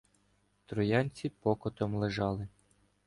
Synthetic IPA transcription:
t̪ɾɔjɑnʲt͡sʲipɔkɔt̪ɔmlˠeʒɑlˠɪ

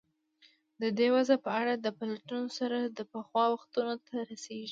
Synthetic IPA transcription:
d̪əd̪ewazapəaɽad̪əpalaʈunosaɾad̪əpəxwɑwaxt̪unot̪ʰaɾaseʒi

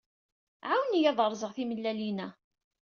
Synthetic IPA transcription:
ʕawnijɑðˤəɾˤzˤəʁθiməlːælinæ

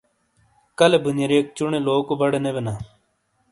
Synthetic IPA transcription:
kɐlebunjɐɾeːk̚t͡ɕuɳeloːkobɐɽenebenaː

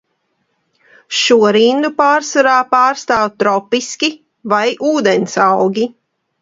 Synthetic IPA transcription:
ʃuɔɾind̪upaːɾsaɾaːpaːɾst̪aːwt̪ɾɔpiskʲi | vajʔuːd̪ɛnsawɡʲi

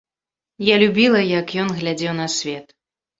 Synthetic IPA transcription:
jalʲubʲilˠɐjɐkjɔnɣlʲad͡zʲɛwnɐsʲvʲɛt̪

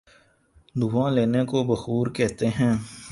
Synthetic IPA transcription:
d̪uːãleːnekobɐxuːɾkɛɦt̪eɦɛ̃ː

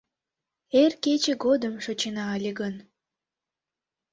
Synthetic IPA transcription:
erket͡ɕĕɡod̪əmʃot͡ɕenɑːlʲeɡən

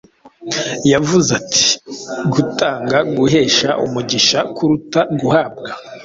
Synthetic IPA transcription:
javuzatʰi̥ɡutaːŋɡaɡuɦe̞ːʃaʔṵmuɟiʃakʰuɾutaɡuhab̚ɡa

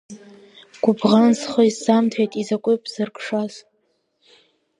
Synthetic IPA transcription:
ɡ̥ʷʊbʁansχoisamtʰajtʼizakʷʼɨpʼz̥ɨrkʰʼʂaz

